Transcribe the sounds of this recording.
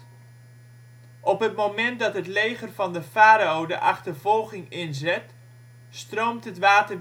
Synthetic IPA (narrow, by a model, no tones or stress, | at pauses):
ʔɔpɦətmomɛnt̚dɑtɦətlejχərvɑndəfaːɾaowdə̰ʔɑχtərv̥ɔlˠχɪŋɪnzɪt | strowmtɦətʋaːtə